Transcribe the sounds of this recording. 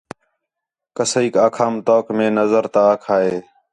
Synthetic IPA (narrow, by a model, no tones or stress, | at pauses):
kəsəiːkaːkʰaːmt̪oːkmẽːnəzəɾt̪aːkʰaːɦeː